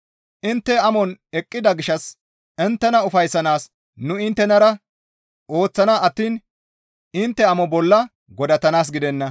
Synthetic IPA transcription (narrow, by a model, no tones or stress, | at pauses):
ʔɪnt̪ːɛɐmɔnɛkʼːɪd̪ɐɡɪʃːɐs | ɪnt̪ːɛnɐʊfɐjsːɐnaːs | nʊɪnt̪ːɛnɐɾɐ | ʔo̞ːt͡sːɐnaʔɐt̪ːiːn | ɪnt̪ːɛɐmɔbɔlːɐ | ɡɔd̪ɐt̪ɐnaːs̬ɡɪd̪ɛnːɐ